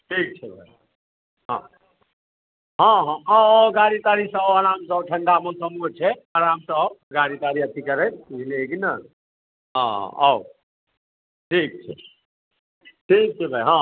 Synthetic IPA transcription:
ʈʰik̚t͡ʃʰɛbʱə | ɦã̰ | ɦãɦãwɡaɾit̪aɾisəaɾamsəbʈʰəɳɖamosəmut͡ʃʰɛaɾamsəɡaɽit̪aɾiət̪ʰikəɾɛt̪ɦileekinə | ɦã̰ɦɔw | ʈʰik̚t͡ʃʰɛ̰ | ʈʰik̚t͡ʃʰɛbʱəjɦã

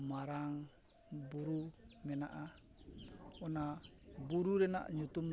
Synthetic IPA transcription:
maɾaŋ | buɾumenaʔa | ɔna | buɾuɾɛna̰ʔɲut̪um

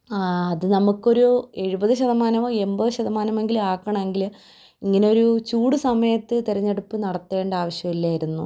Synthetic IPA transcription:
ɐðɨnɐmukːo̞ɾue̞ɻubɐðɨɕɐðɐmaːnɐmoːe̞mbɐðɨɕɐðɐmaːnɐme̞ŋɡilaːkːɐɳɐme̞ŋɡil | iŋːɐneo̞ɾut͡ɕuːɽusɐmɐjɐt̪ːɨt̪eɾɐɲːe̞ɽupːɨnɐɽɐt̪ːuʋe̞ːɳɖaːʋɐɕjɐmilːaːjiɾunːu

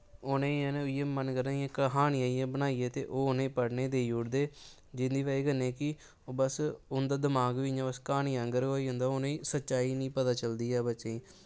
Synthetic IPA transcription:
oːnẽːiẽːneːʊiːeːmənɡəɾãːiãːkəɦaːniːaːijãːbənaːiːeːt̪ḛːʔoːʊnẽːpəɽneːd̪eːjuːɽd̪eː | d͡ʒɪnd̪iːʋaːiːɡənːẽːkɪ | obəsʊnd̪aːd̪əmaːɡʋiːãbəskaːniːə̃ŋɡəɾoːiːɦõːnd̪aːonẽiːsətːʃaːiːnĩːpət̪aːt͡ʃəld̪iːɛːbətːʃẽːĩː

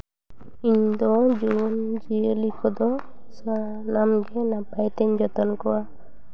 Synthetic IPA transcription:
iɲd̪ɔd͡ʒund͡ʒiəlikʰɔd̪ɔ | sanamɡɛnapajt̪ɛɲd͡ʒɔt̪ɔnkɔwa

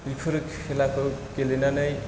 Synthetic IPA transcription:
ipʰuɾkʰelakokelinʌnʌj

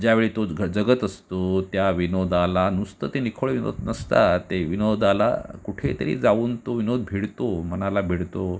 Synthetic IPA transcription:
d͡ʑjaʋeɭiːt̪oɡəd͡zəɡət̪əst̪ot̪jaʋinod̪alanust̪ət̪enikʰoɭeʋino̰d̪nəst̪at̪eʋinod̪ala̰kuʈʰḛt̪əɾḭːd͡zauːnt̪oʋinod̪̚bʱiɽt̪omənalabʱiɽt̪o

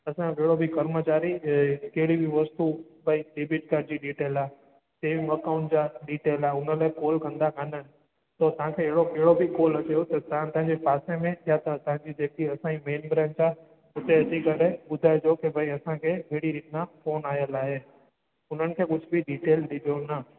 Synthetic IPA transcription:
ɐsãbɛɦɪɽobʱɪkɐɾmət͡ɕaːɾikeɦɪɽibʱiʋɐst̪ubʱɐiɖeːbɪʈ̚kaːɖd͡ʑiɖiːʈeːlaːe | seːʋɐkaʊ̃ɳʈd͡ʑaːɖiːʈeːlaːʊnəlaːekoːlkɐ̃nd̪akɐnənɪ̆ | t̪ot̪ɐɦãkʰeːɦɪɽokɐɦɪɽobʱikoːlɐt͡ɕeot̪ɐt̪ɐãt̪ɐ̃ɦɪ̃ɲd͡ʑepaːsemẽjat̪ɐt̪ɐ̃ɦɪ̃ɲd͡ʑid͡ʑeːkiɐsãimeːnbɾẽːnd͡ʑaːɦ | ʊt̪eɐd̪ikɐɾebʊd̪ʱaːed͡ʑokibʱɐiɐsãkʰebʱeːɽiɾiːʈnãfoːnaːɦijəlaːɦe | ʊn̤ənɪ̆kʰeːkʊd͡ʑʱʊbɪɖiːʈeːlɗid̪ʱijonɐ

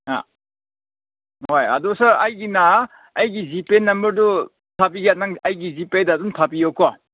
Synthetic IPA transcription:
a̰ | ɦojɐ̰dusaɐjɡinaː | jɡizipenːɐmbɐɾdu | tʰapiɡjat̚naŋɐjɡizipedaːdumtʰapijokːɔ

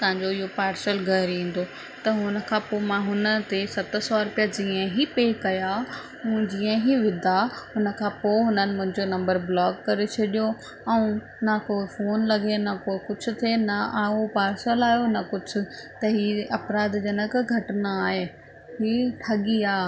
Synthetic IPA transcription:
t̪ɐɦɪ̃ɲd͡ʑoɪɦopaːɾsəlɡɐɦɾĩːn̆d̪o | t̪ɐɦʊnə̆kʰãːpoːmãɦʊnət̪esɐt̪̆sɔɾʊpijad͡ʑiːə̃ɦipeːkɐja | ũːd͡ʑiːə̃ɦiʋɪd̪aɦʊnə̆kʰãːpoːɦʊnənɪ̆mʊ̃ɦɪ̃ɲd͡ʑonɐ̃mbəɾblɔːɡkɐɾet͡ɕʰɐɗijo | ɛ̃ũ | nɐkoːɪfoːnlɐɡʱenɐkoːɪkʊd͡ʑʰʊ̆t̪ʰenɐaːopaːɾsəlaːɦjonɐkʊd͡ʑʰʱʊ̆t̪ɐɦiːɐpɾaːd̪d͡ʑɐnəkɡʱɐʈɪnaaːɦeː | ɦiːʈʰɐɠiaː

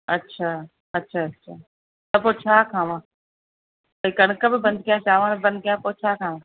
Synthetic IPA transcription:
ɐtːɕʰaː | ɐtːʃʰaːɐtːɕʰaː | t̪ɐpoːt͡ɕʰaːkʰãːʋã | t̪ɐikɐɽ̃kəbɪbɐ̃nd̪̚kijat͡ʃaːʋãːnbɐ̃nd̪̚kɐjapot͡ɕʰaːkʰaːʋã

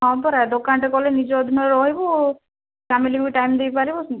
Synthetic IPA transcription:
ɦɔ̃pɔɾad̪okanʈekɔlenid͡ʒɔːd̪ʱinɔɾɔɦibɔ | pamilibiʈajmd̪ejpaɾibɔ

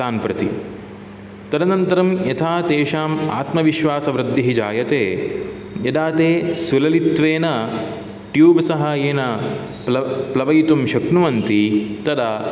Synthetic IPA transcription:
aːnpɾɐt̪ḭ | t̪ɐd̪ɐnɐnt̪ɐɾɐmjɐt̪ʰaːt̪eːʃaːma̰ːt̪mɐʋiʃʋaːsɐʋɾɐd̪ːɐɦid͡ʒaːjɐt̪eː | jɐd̪aːt̪eːsulɐlit̪ʋeːnɐ | ʈjuːbsɐɦaːjeːnɐ | plɐplɐʋɐjt̪umʃɐknuʋɐnt̪it̪ɐd̪ɐ

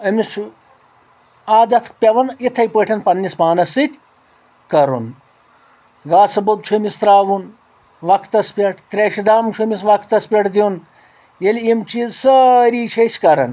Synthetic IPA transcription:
ɐmit͡ʃʰ | aːd̪ɐt̪ʰkpʲɐʋɐnit̪ʰɐjpəːʈʰʲɐnpɐnːispaːnɐsɨt̪ʲ | kɐɾṵn | ɡaːsɐbɐd̪̚t͡ʃʰumist̪ɾaːʋun | ʋɐkʰt̪ɐspʲɐʈʰt̪ɾʲeʃid̪aːmt͡ʃʰumisʋɐkt̪ɐspʲeʈʰd̪ʲin | jelʲimt͡ʃiːzsɐɾiːt͡ʃʰɐsʲkɐɾɐn

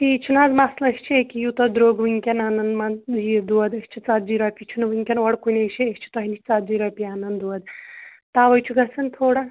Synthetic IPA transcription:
piːt͡ʃʰunazmaslɐst͡ʃʰiekijut̪ɐd̪ɾoːɡʋɨŋkʲɐnaːnɐnd̪mad͡ʒid̪uɐd̪ɐsʲt͡ʃʰit͡sat̪̚d͡ʒiːɾapʲit͡ʃʰunʋɨŋkʲɐnʋɐɽkunʲɐt͡ʃʰiest͡ʃʰi̥t̪ɔɦinit͡sat̪̚d͡ʒiːɾapʲiaːnɐnd̪uɐd̪ | t̪aːʋɐjt͡ʃʰuɡɐsɐnt̪ʰoːɽa

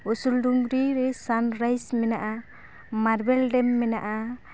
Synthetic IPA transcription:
usulduŋɡɾiɾɛsanɾajsmɛnaʔa | maɾbɛlɖɛmːɛna̰ʔa

